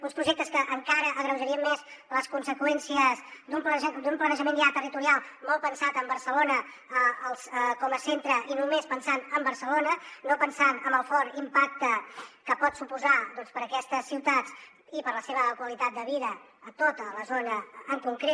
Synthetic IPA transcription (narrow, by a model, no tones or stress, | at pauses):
unspɾuʒek̚t̪əskəʔəŋkaɾəʔəɣɾəwʒəɾiəmːezləskunsəkwɛnsiəzd̪umplənʒɛd̪umplənəʒəmẽnjat̪ərit̪uɾialˠmɔlˠpənsat̪əmbəɾsəlonə | əəlˠsəkɔməsent̪ɾəʔinumespənsanəmbəɾsəlonənopənsanəmbəlˠfɔɾt̪impak̚t̪əkəpɔt̪supuzad̪ɔnspəɾəkɛst̪əsːiwt̪at͡s | ipəɾləseβ̞əkwəlit̪at̪̚d̪əβiðəː | t̪ot̪ələzonəːŋkuŋkɾe